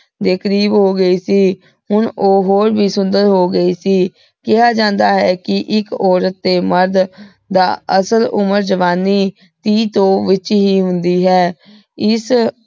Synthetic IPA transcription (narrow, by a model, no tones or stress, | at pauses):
d̪eːkʰɾiːboːɡəiːsiː | hʊɳoːɦoːɾbiːsʊnd̪əɾɦoːɡəiːsiː | kɪɦaːd͡ʒãːnd̪aːɦɛːkɪʔɪkɔːɾət̪ːeːməɾd̪ | d̪aːəsəlʊ̰məɾd͡ʒəʋaːniː | t̪iːt̪õːʋɪt͡ʃɦiːɦʊ̃nd̪iːɦɛː | ɪs